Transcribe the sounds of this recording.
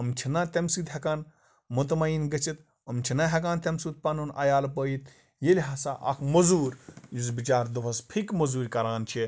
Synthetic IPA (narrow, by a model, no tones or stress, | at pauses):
əmt͡ʃʰinɐt̪emsuːt̪ɦʲɐkaːn | mut̪̬mɐinɡɐt͡ʃʰit̪ | ɐmt͡ʃʰinɐɦʲɐkaːnt̪emsuːt̪̚pɐnunʔɐ̰jaːlp̬əːjit̪ | jelʲɦɐsaʔɐ̰kʰmɐzuːɾʲjuzbit͡ʃaːɾd̪ɐpʰɐspʰikmɐzuːɾʲkɐɾaːnt͡ʃʰi